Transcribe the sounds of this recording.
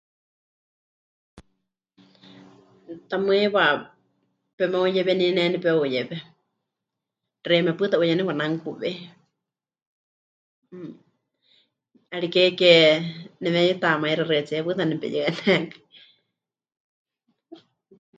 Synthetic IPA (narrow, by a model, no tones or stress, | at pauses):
t̪amɨɛwa | pɛmɛujɛβɛninɛnɛpɛujɛβɛ | rɛmɛpɨt̪aʔujɛnɛwanaŋkuβɛ | aɺikɛkɛnɛmɛjɛt̪amaiɾarɛɛt͡siɛpɨt̪anɛpɛ̰jɨɛnɛki̥